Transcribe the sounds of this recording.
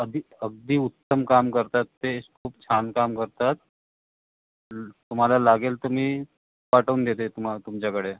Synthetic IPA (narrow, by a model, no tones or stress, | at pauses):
əd̪ʱiəɡ̚d̪iːut̪ːəmkamkəɾt̪at̪ːekʰuːpt͡ɕʰankamkəɾt̪at̪̚ | t̪um̤alalaɡelt̪um̤iː | paʈəuːnd̪et̪et̪umat̪umt͡ɕjakəɽe